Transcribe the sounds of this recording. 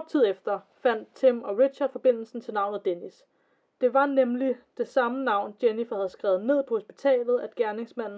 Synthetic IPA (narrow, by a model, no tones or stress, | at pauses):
b̥t͡sʰið̰ˠefd̥ɐ | fæn̰d̥̚t͡sʰemɒ̽ʁid̥ɕɑɐd̥fɒ̽b̥e̝n̰l̩sn̩t͡sʰe̝lnɑ̈ʊ̰nð̩ˠd̥enis | d̥e̝ʋɑ̈nemlid̥e̝sɑ̈mənɑ̈ʊ̰nd̥jenifæhæð̞̩ˠsɡ̥ʁɛʊð̞̩ˠne̝ð̞̰ˠpʰɒ̽ho̝sb̥i̥t͡sʰɛ̰ːlð̩ˠæd̥ɡ̥æɐne̝ŋsmæn̰n̩